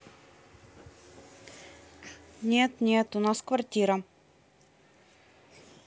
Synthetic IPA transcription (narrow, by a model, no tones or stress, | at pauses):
nʲet̪nʲet̪ʊnaskvɐrtʲiɾə